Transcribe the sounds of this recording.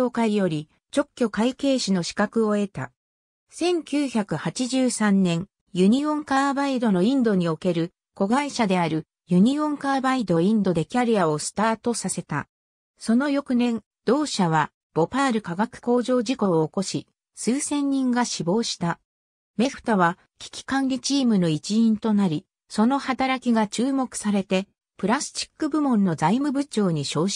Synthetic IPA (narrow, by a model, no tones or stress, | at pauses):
okaɾʲijo̞ɾʲi | t͡ɕo̞kʲːo̞kaike̞ːɕino̞ɕi̥kakɯ̟o̞e̞t̪a̰ | sẽ̞ŋkʲɨːçakɯ̟hat͡ɕiʑɨːsãnːẽ̞ŋ | jɯ̟ɲ̟iõ̞ŋkaːbaid̪o̞no̞ĩnd̪o̞ɲ̟io̞ke̞ɾɯ̟ | ko̞ɡaiɕad̪e̞aɾɯ̟ | jɯ̟ɲ̟iõ̞ŋkaːbaid̪o̞ĩnd̪o̞d̪e̞kʲaɾʲiao̞sɨ̥t̪aːt̪o̞sase̞t̪a | so̞no̞jo̞kɯ̟nẽ̞n | d̪̥o̞ːɕaβ̞a | b̥o̞paːɾɯ̟kaɡakɯ̟̥ko̞ːʑo̞ːd͡ʑiko̞ːko̞ɕi | sɨːsẽ̞ɲ̟ːĩŋɡaɕibo̞ːɕi̥t̪a | me̞ɸɯ̥t̪aβa | kʲi̥kʲi̥kãŋɡʲit͡ɕiːmɯ̟no̞it͡ɕiĩnt̪o̞naɾʲi | so̞no̞hat̪aɾakʲiɡat͡ɕɨːmo̞kɯ̟̥saɾe̞t̪e̞ | pɯ̟ɾasɨ̥t͡ɕi̥kːɯ̟bɯ̟mõ̞nːo̞zaimɯ̟bɯ̟t͡ɕo̞ːɲ̟iɕo̞ːɕ